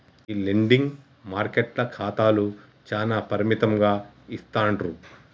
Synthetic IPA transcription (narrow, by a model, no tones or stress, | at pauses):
ileɳɖiŋɡ | maːɾkeʈlɐkʰaːt̪aːlu | t͡ʃaːlaːpɐɾimit̪ɐmɡaːist̪aːɳʈɾu